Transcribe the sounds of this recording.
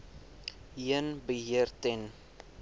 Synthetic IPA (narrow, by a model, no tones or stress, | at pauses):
iənbəɦiərtɛn